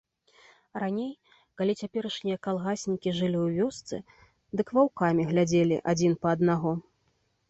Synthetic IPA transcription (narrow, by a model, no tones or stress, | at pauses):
ranʲej | kalʲit͡sʲapʲɛɾɐʂnʲijɐkalˠɣasʲnʲikʲiʐɨlʲiwvʲɔst̪sɨ̰ | d̪ɨkvawkamʲiɣlʲad͡zʲelʲḭʔad͡zʲinpɐːd̪naɣɔ